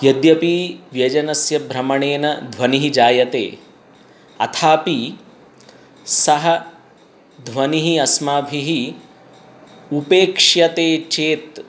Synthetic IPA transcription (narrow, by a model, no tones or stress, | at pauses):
jɐd̪jɐpiːʋjɐd͡ʒɐnɐsjɐbʱɾɐmɐɳeːnɐd̪ʱʋɐniɦid͡ʒaːjɐt̪ḛː | ɐ̰t̪ʰaːpi | sɐɦɐ | d̪ʱʋɐniɦiɐsmaːbʱiɦi | upeːkʂjɐt̪eːt͡ʃeːt̪